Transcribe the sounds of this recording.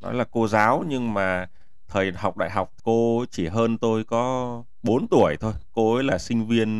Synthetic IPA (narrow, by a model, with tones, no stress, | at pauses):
nɔ̰˨˦jlaː˨˩ko˧zaː˨˦wɲɨ˧ŋmaː˨˩ | t̪ʰəː˨˩jɦa˨˩wk͡p̚ɗa̰ː˧˨jɦa˨˩wk͡p̚ko˧t͡ɕi˧˩ɦəː˧nt̪o˧jkɔ˨˦ | ɓo˨˦nt̪u˧˩əjt̪ʰo˧jko˧ʔəː˨˦jlaː˨˩sï˧ŋ̟vi˧ən